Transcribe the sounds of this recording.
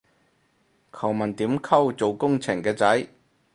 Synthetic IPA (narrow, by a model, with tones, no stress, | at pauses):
kʰɐ˨˩wmɐ˨˩nt̪iː˨˥mkʰɐ˥wt͡so˨wkʊ˥ŋt͡sʰɪ˨˩ŋkɛː˧t͡sɐ˨˥j